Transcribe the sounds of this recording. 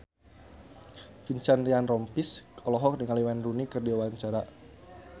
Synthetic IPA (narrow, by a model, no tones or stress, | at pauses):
fiɲt͡ʃanrianrɔmpisɔlɔɦɔk̚dəŋaliwanrunikərdiwawaɲt͡ʃaɾa